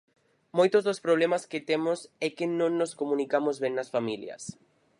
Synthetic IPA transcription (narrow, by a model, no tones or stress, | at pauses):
mojt̪ozðospɾoβ̞lemasket̪emosɛkɪnõŋnoskomũnikamozβẽŋnɐsfamiljɐ̰s